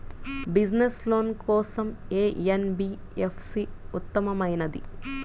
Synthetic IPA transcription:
bid͡ʒnesloːnkɔːsɐmeːenbiː | epʰsiut̪ːɐmɐmɐjnɐd̪ḭ

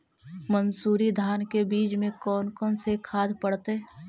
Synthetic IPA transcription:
mənsuːɾid̪ʱaːnkebiːt͡ʃmẽkɔːnkɔːnsekʰaːd̪ʱpəɽt̪eː

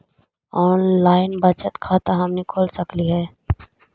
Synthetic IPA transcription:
ɔːnlaːɪnbɐt͡ʃət̪kʰaːt̪aɦɐmnekʰoːlsɐkliɦɛː

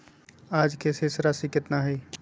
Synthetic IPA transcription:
aːd͡ʒkesesɾasikɪt̪naɦɛiː

